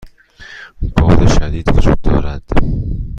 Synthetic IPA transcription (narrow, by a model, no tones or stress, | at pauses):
bɒːd̪eʃæd̪iːd̪vod͡ʒud̪̚ːɒːɾæd̪̥